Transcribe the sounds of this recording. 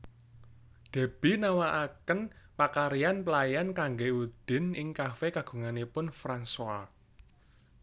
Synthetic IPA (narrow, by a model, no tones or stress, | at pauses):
d̪̥ɛ̤b̥i̤nawaʔakənpakaɾijanplajankaŋɡeud̪̥ɪ̤nɪŋkafekaɡ̥ṳŋanipʊnfɾanswa